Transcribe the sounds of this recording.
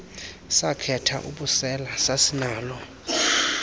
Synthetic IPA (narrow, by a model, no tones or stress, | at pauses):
sakʰɛtʰa̰ʔuɓusɛlasasinaːlɔ